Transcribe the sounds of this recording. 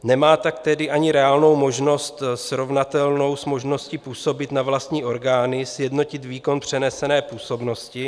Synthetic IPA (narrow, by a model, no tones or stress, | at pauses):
nɛmaːt̪akt̪ɛdɪʔaɲɪɾɛaːlno̞wmo̞ʒno̞st̪sɾo̞vnat̪ɛlno̞wsmo̞ʒno̞scɪpuːso̞bɪt̪navlast̪ɲiːʔo̞ɾɡaːnɪsjɛdno̞cɪt̪viːko̞npr̥ɛnɛsɛnɛːpuːso̞bno̞scɪ